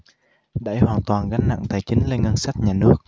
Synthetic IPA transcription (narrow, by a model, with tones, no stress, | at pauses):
ɗa̰˧˩jhwaː˨˩nt̪waː˨˩nɣa˨˦ŋ̟na̰˧˨ŋt̪aː˨˩jt͡ɕï˨˦ŋ̟le˧nŋə˧nsa˦˥jt̚ɲaː˨˩nɨ˦˥ək̚